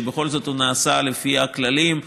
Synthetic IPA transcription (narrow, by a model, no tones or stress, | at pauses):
beχo̞lzo̞t̪unaːsalefiaklalim